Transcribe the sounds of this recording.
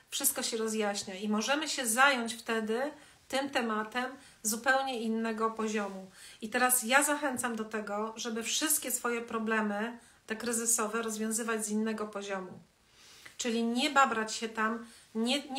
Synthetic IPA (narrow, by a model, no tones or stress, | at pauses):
fʂɘst̪̚kɔɕɛɾɔzjaɕɲaimɔʐɛmɘɕɛzajɔɲt͡ɕft̪ɛd̪ɘ | t̪ɘmt̪ɛmat̪ɛm | zupɛwɲɛinːɛɡɔpɔʑɔmuit̪ɛɾasjazaxɛnt̪samd̪ɔt̪ɛɡɔʐɛbɘfʂɘst̪̚kʲɛsfɔjɛpɾɔblɛmɘ | t̪ɛkɾɘzɘsɔvɛɾɔzvʲjɔ̃w̃zɘvad͡ʑzinːɛɡɔpɔʑɔmu | t͡ʂɘlʲiɲɛbabɾat͡ɕɕɛt̪amɲɛɲ